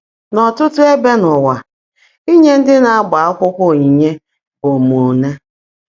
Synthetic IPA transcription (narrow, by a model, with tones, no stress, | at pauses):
nɔ˨tʊ˦tʊ˦e˦be˦nʊ˨wa˨ | i˦ɲe˦n̩˦dɪ˦na˨a˦ɡ͡ba˨a˦kʷʊ˦kʷʊ˦i˨ɲe˦ | o˨mu˨ne˦